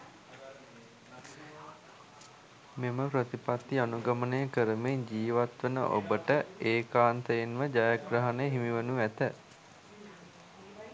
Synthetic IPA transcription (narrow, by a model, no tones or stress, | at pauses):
meməpɾət̪ipat̪ːianuɡamənəjəkəɾəmeɲd͡ʒiːʋat̪ʋənə̰ʔo̰bəʈəeːkaːnt̪əjenʋəd͡ʒajaɡrəɦanejəɦimiʋənuʋæt̪ə